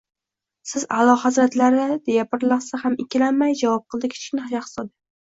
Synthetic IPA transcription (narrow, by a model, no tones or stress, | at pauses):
sɪza̰lˠɒhazɾat̪laɾɪd̪e̞japʰɪɾlˠasahamɪkʲʰɪlanmajd͡ʒavɒp̚qʰɨlˠd̪ɪkʲʰt͡ʃʰɪ̥kʲnɪaʃaqɨ̥sɒd̪ɪ